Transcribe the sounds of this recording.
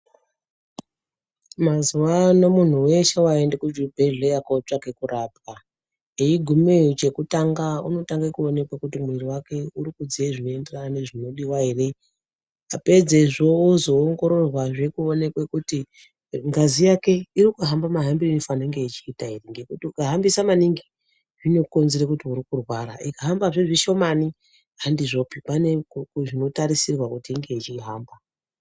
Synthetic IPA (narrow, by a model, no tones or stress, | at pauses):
mazuwano̞mun̤uwe̞ʃewaendekud͡ʒubʱe̞ɮejakot͡ʂake̞kuraːp̚a | eiɡʱumet͡ʃe̞kutaŋɡauno̞taŋɡekuo̞ne̞kwekutimwiriwake̞uɾikud͡zieʐinoenderanne̞ʐino̞ɗiwaɦere̞ | ape̞d͡ze̞ʐo̞ozo̞ːŋɡo̞ɾo̞rwaʐe̞kuone̞kwe̞kuti | ŋɡazijake̞iɾikuɦambamaɦambiinofanaeŋɡe̞it͡ʃiːtaɦereŋɡe̞kutiukaɦambisamaniŋɡi | ʐino̞ko̞nzeɾekutiuɾikurwaɾa̰ʔikaɦambaʐeʐiʃo̞mani | ɦandiʐo̞pipane̞ʐino̞taɾisirwakutiːŋɡe̞it͡ʃiɦaːmba